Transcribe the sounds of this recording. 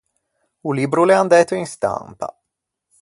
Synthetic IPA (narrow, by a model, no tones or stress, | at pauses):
ulibɾulɛand̪ɛːt̪uinst̪a̰mpa̰